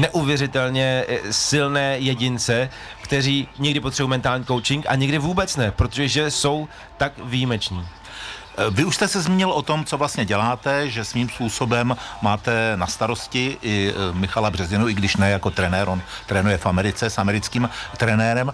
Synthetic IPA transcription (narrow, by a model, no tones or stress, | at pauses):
nɛʔuvjɛrɪt̪ɛlɲɛsɪlnɛːjɛɟɪnt͡sɛ | kt̪ɛriːɲɛɡdɪpot̪r̥ɛbomɛnt̪aːlɲiːko̞wt͡ʃɪŋkʔa̰ɲɛɡdɪvuːbɛt͡snɛpɾot̪oʒɛʒɛso̞w | t̪akvijimɛt͡ʃniː | vɪuʃst̪ɛsɛzmiːɲɪlʔot̪o̞mt͡so̞vlast̪ɲɛɟɛlaːt̪ɛʒɛsmiːmspuːso̞bɛmmaːt̪ɛnast̪aɾoscɪʔɪmɪxalabrɛzɪnuʔɪɡdɪʃnɛjakot̪ɾɛnɛːɾʔont̪ɾɛːnujɛfamɛɾɪt͡sɛsʔamɛɾɪt͡skiːmt̪ɾɛnɛːɾɛm